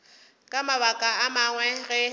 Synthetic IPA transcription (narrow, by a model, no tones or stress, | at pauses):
kʼamaβakʼaamaŋwɛɣɛ